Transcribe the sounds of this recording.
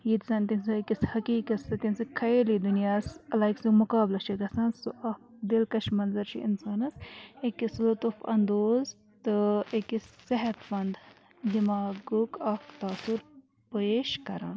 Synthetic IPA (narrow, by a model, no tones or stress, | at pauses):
jit̪sɐnt̪insɨkishɐkiːkɐsɐt̪insɨkʰɐelid̪unjaːslaːjksimukaːblɐʃʰiɡɐsɐ̃ːnsuʔɐkd̪ilkɐʃmɐnzɐɾt͡ʃʰḭʔḭnsaːnɐsekislut̪ufɐ̰nd̪oːz | t̪ɨekisːeɦɐt̪fɐnd̪ | d̪imaːɡukɐkt̪aːsuɾ | poeːʃkɐɾa̰ːn